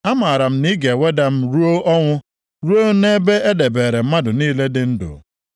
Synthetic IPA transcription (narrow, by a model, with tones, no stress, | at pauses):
a˦ma˨ɾa˨m̩˦ni˦ɡe˨we˦da˨m̩˦ɾu˦o˦ʔɔ˦ŋʷʊ˦ | ɾu˦o˦ne˦be˦e˦de˨beː˨ɾe˨m̩˦ma˦dʊ˨niː˦le˦dɪ˦n̩˦dʊ̰˨